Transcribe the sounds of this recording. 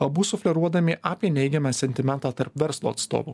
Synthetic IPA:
ɐbuːsʊfʲlʲɛɾuɔd̪ɐmʲiʔaːpʲiɛnʲɛɪɡʲɛmɑːsʲɛnʲt̪ʲɪmʲɛnt̪aːt̪ɐɾpʋʲɛɾslˠo̰ːt̪st̪o̰ːʋṵː

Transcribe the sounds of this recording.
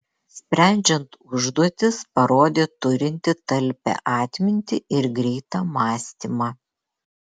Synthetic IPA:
sʲpʲɾʲæˑnʲd͡ʒʲɛnt̪ʊʒd̪uɔt̪ʲɪspɐɾoːd̪ʲeːt̪ʊɾʲɪnʲt̪ʲɪt̪ɐlʲpʲɛ̰ʔɑːt̪ʲmʲɪnʲt̪ʲɪɪɾɡɾʲɛɪt̪ɑːmɑːsʲt̪ʲimɑː

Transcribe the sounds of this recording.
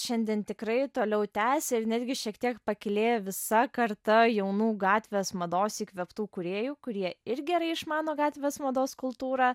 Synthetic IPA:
ʃʲɛnʲd̪ʲɛnt̪ʲɪkɾɐɪt̪oːlʲɛʊt̪ʲæːsʲɛɪɾnʲɛd̪ʲɡʲɪʃʲiɛkt̪ʲiɛkpɐkʲɪlʲeːjɛʋʲɪsɐkɐɾt̪ɐjɛʊnuːɡɑːt̪ʲʋʲesmɐd̪oːsiːkʋʲɛpt̪uːkʊɾʲeːjuːkʊɾʲiɛɪɾʲɡʲɛɾɐɪɪʃmɑːnoːɡɑːt̪ʲʋʲesmɐd̪oːskʊlˠt̪uːɾɑː

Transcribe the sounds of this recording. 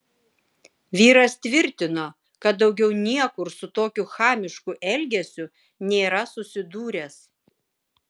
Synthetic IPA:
ʋʲiːɾɐst̪ʲʋʲɪɾʲt̪ʲɪnoː | kɐt̪̚d̪ɒʊɡʲɛʊnʲiɛkʊɾsʊt̪oːkʲʊxɑːmʲɪʃkʊʔɛlʲɡʲɛsʲʊ | nʲeːɾɐsʊsʲɪd̪uːɾʲɛːs

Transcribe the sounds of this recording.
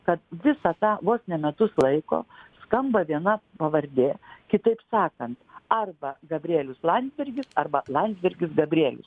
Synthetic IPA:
kɐt̪ʋʲɪsɐt̪ɑːʋoːsʲnʲɛmʲɛt̪ʊslˠɐɪko̰ːskɐmbɐʋʲiɛnɐpɐʋɐɾʲd̪ʲeːkʲɪt̪ɐɪpsɑːkɐnt̪ɐrbɐɡɐbʲɾʲeːlʲʊslˠɐnʲd̪zʲbʲɪrʲɡʲɪsɐrbɐlˠɐnʲzʲbʲɪɾʲɡʲɪsɡɐbʲɾʲeːlʲʊ̰s

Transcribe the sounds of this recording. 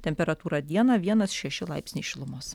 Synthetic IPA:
t̪ʲɛmʲpʲɛɾɐt̪uːɾɑd̪ʲiɛnɐʋʲiɛnɐsʃʲɛʃʲɪlˠɐɪpʲsʲnʲɛɪʃʲɪlˠʊmoːs

